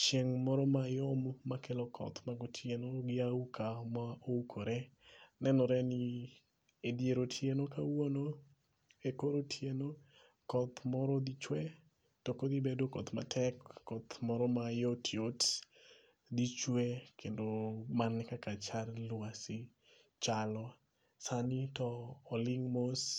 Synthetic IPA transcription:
t͡ʃjeŋmɔɾɔmajɔmːakelɔkʰɔ̰t̪maɡɔtʰjenoɡɪaukʰamaoukʰoɾɛ | nɛnɔɾɛnɪ | edjeɾotʰjenokawono | ekoɾotʰjeno | kɔt̪mɔɾɔd̪it͡ʃwɛ | tɔkod̪ibedokɔt̪ma̰tʰɛkːɔt̪mɔɾɔmajotʰiot | d̪it͡ʃwekʰendomanːɪkakat͡ʃarlwasɪ | t͡ʃalɔ | sanitɔːlɪŋmos

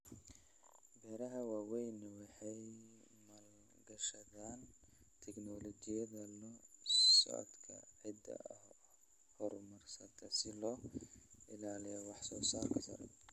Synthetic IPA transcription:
bɛːɾɐɦɐwaːwɛjnwɑħɑj | mɐl | ɡɐʃɐðaːn | t̪ʰɛknɔlɔd͡ʒɪjɐðɐlɔsɔ̰ʔɐ̰d̪kʰɐ̰ʕɪd̪ɐ̰ | hɔrmɐrsɐt̪ʰɐsɪlɔː | ɪlaːlɪjɔwɑħsɔːsaːrkʰɐsɐ̰ɾɛ̰

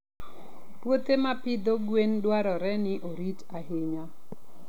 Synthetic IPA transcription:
pwot̪emapɪd̪oɡwendwaɾɔɾɛnɪʔoɾitaɦɪɲa

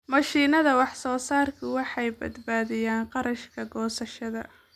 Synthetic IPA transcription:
mɐʃiːnɐðɐwɑħsɔːsaːrkʰʊwɑħɑjbɐ̰d̪baːðɪjaːnqɑɾɐʃkʰɐɡɔːsɐʃɐðɐ

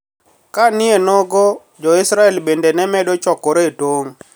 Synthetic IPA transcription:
kanɪenɔɡɔ | d͡ʒɔɪsɾaɛlbendenɛmɛdot͡ʃɔkɔɾetoŋ

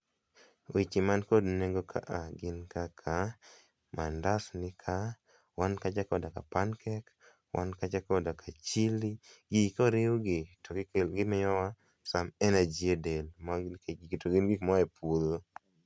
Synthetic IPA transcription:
wit͡ʃimankodneɡokʰa̰ʔaɡɪnkakʰa | mandasnɪkʰa | wankad͡ʒakɔdakapankʰɛk | wʔa̰nkad͡ʒakɔdakʰat͡ʃiliɡikɔɾɪuɡɪtokɪkelɡɪmɪjɔwa | samɛnad͡ʒjedelmaktoɡɪnɡikmɔɛpolo

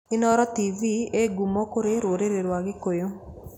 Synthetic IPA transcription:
ɪnɔɾɔtivieɡumɔkʊɾeɾwoɾeɾeɾwaɡɪkojo

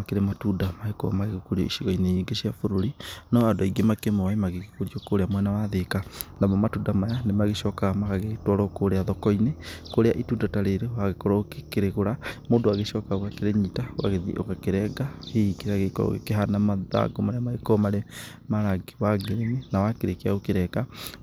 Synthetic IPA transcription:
akeɾematudamaekɔ̰maɣeɣokoɾiɔ̰iʃiɣɔineɲiːŋɡeɕiafoɾoɾinɔadaiɡemakemɔemaɣeɣekoɾiɔkoɾeamwɛnawaðekanamɔmatudamajanemaɣeʃɔkaɣmakaɣetwɔɾɔkoɾeaðɔkɔinekoɾeaʔitundataɾeɾewaɣekɔɾɔokekeɾeɣoɾamoːndoaɣeʃɔkaokakeɾeɲitawa̰ɣeðḭʔo̰kakeɾɛɡaheikeɾaɣekɔɾɔ̰ɣḛkeɦanamaða̰ɡomaɾeamaɣekɔmaɾe | maɾaɡiwaɡeɾeminawakeɾekeaokeɾɛka

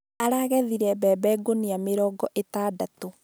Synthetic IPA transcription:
aɾaːɣɛðiɾɛbɛbɛɡonijameɾɔːɡɔʔetaːdato

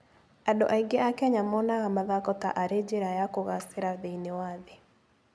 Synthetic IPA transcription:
adɔʔaiɡeakɛɲamɔnaɣamaðakɔta̰ʔaɾed͡ʒeɾajakoɣasɪɾaðeinewaðɪ

